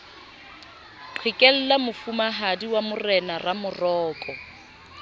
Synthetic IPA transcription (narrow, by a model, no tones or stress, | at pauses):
ǃʰwɪkʼɛl̩lamʊfumaɦadiwamʊrɛnaramʊrɔːkʼɔ